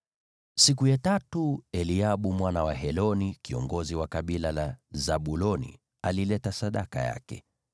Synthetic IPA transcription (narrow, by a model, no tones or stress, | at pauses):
sikujatatuɛliaɓumwanawaɦɛlɔnikiɔ̰ŋɡɔziwakaɓilalazaɓulɔnḭ | alilɛtasaɗaka̰ja̰kɛ̰